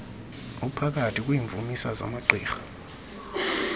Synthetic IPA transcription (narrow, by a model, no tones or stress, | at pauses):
upʰak̬ʼatʰik̬ʼwiːɱvʱumisaza̰maǃiːxḁ